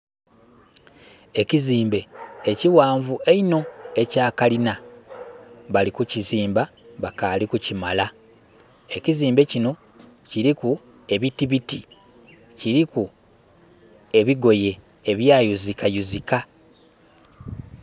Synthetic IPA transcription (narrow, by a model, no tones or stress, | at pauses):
e̞ciziːmbe̞eciwaːɱvueino̞e̞caːkalina | βalikuciziːmbaβakalikucimala | e̞ciziːmbe̞cino̞ | ciɾiku | e̞βitiβiti | ciɾiku | e̞βiɡo̞je̞ː | βjaːjuzikajuzika